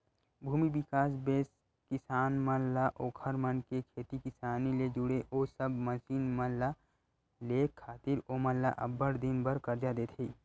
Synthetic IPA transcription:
bʱuːmibɪkaːs̬beːs | kɪsaːnmənlaʔoːkʰəɾmənkekʰeːt̪ikɪsaːniled͡ʒʊɽeʔoːsəbməsiːnmənla | leːkʰːaːt̪ɪɾoməlla̰ʔɐbəɾd̪ɪnbəɾkəɾd͡ʒad̪et̪ʰiː

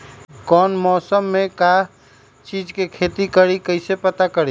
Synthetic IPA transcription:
kɔnmɔsəmːeka | t͡ʃid͡ʒkekʰet̪ikəɾikəɪsepət̪akəɾi

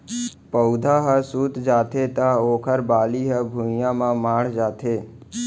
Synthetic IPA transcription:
pəwd̪ʱaɦəsuːt̪d͡ʒaːt̪ʰet̪aoːkʰəɾbaːliɦəbʱujãmãmaːɽ̤d͡ʒaːt̪ʰeː

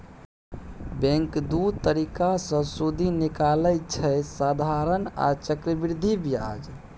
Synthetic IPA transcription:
bɛ̃ŋkd̪ut̪əɾikasə̃sud̪ʱinikalət͡ʃʰɛsad̪ʱaɾəna̰t͡ʃəkɾəbiɾd̪ʱibia̰d͡ʒ

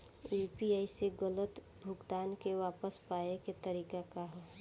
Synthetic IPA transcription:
iːpiaːiseɡələt̪ | bʱʊɡd̪aːnkeʋaːpəspaːjeket̪əɾiːkakaɦɛː

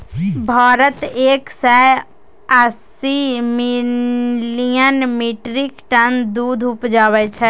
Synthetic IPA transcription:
bʱaːɾət̪eːksaj | əs | imi | lijənmiʈɾikʈənd̪uːd̪ʱʊpd͡ʒaːβɛt͡ʃʰɛ

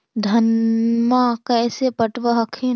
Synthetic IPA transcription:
d̪ʱɐnmakɛːsepəʈʋəɦəkʰe

